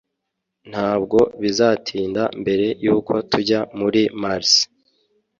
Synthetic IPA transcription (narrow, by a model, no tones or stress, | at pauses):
n̥haːb̚ɡo̞βizatʰiːndambe̞ɾe̞juːkʰo̞tʰuɟamuɾimaɾs